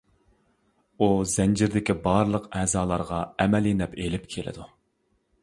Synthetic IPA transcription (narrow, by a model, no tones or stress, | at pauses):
uzɛnd͡ʒɪɾd̪ɪkʲibɑɾlˠəqɛːzɑːlˠɑɾʁɑɛmɛlinɛpelɪpkʲʰelɪ̰d̪u